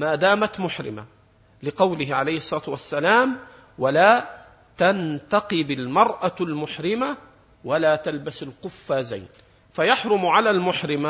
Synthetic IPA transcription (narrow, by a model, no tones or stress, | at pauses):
maːd̪aːmat̪mʊħɾɪ̰ma̰ | lɪqɑwlɪɦʕalajhsˤːɑɾɑːt̪wasːalaːm | walaː | t̪ant̪ɑqɨbɪlmɑɾˤʔalmʊħɾɪma | walaːt̪albasalqʊfːaːza̰jn | fajaħɾˤʊmʕalaːlmʊħɾɪma